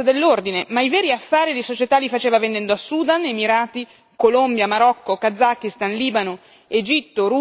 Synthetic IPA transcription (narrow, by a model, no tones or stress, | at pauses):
ad̪elːord̪inemaivɛːɾiafːaːɾid̪isot͡ʃet̪alːifat͡ʃeːvavend̪ɛnd̪oasuːd̪anemiɾaːt̪i | kolombjamaɾɔkːokad̪zːakːist̪anliːbano | ed͡ʒit̪ːoɾu